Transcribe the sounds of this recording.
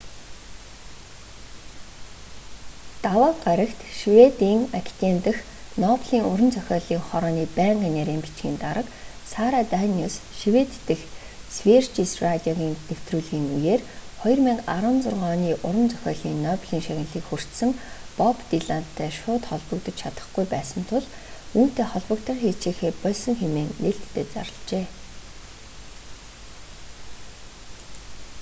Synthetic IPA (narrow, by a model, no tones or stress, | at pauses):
t̪awaːɢaɾə̆kt̪ʃiwet̪iːŋakʰi̥t̪ent̪ə̆x | nɔpɮiːŋʊɾə̆nt͡sœxʲɔːɮiːŋχɔɾɔːniːpæːɴɢiːneɾeːmpi̥t͡ɕɡiːnt̪aɾə̆k | saːɾaːt̪ænusʃiwet̪ːɘ̆x | swirt͡ɕisrat̪ʲiɔɣiːnt̪ew̥t̪ruːɮɣiːŋujeːrχɔj̆rmæŋkaɾə̆nt͡sʊrʁɔːniːʔʊɾə̆mt͡sœxʲɔːɮiːnːœːpɮiːŋʃaɣʲɪ̆nɮiːkxur̥t̪sə̆ŋpɔpt̪iɮant̪ʰːæːʃʊːt̪χɔɮpə̆kt̪ə̆t͡ɕt͡ɕʰat̪ə̥̆χɡujpæːsə̆nt̪ʰʊɮ | uːn̥t̪eːχɔɮpɞ̆kt̪ə̆χxiːt͡ɕeːxeːpɔɮʲsɞ̆ŋxemeːŋneɬt̪ʰːeːt͡sa̰ɾə̆ɮt͡ɕeː